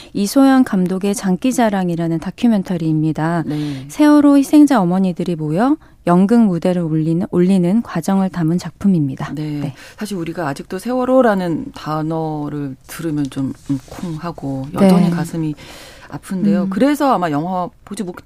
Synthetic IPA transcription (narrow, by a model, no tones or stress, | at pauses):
isʰojʌnkamdoɡe̞t͡ɕaŋk͈id͡ʑaɾaŋiɾanɯntakʰjumentʰʌɾiːmɲidanesʰe̞wʌɾoçisʰeŋd͡ʑaʌmʌɲidɯɾimojʌ | jʌŋɡɯŋmude̞ɾɯɾoʎːinɯnkwad͡ʑʌŋɯɭtamɯnt͡ɕak̚pʰɯmimɲidane̞sʰaɕʰiɾuɾiɡaːd͡ʑik̚t͈osʰe̞wʌɾoɾanɯntanʌɾɯɭtɯɾɯmjʌnt͡ɕomkʰoŋhaɡojʌd͡ʑʌɲikasʰɯmia̰pʰɯnde̞jokɯɾe̞sʰʌamajʌŋɦapod͡ʑimok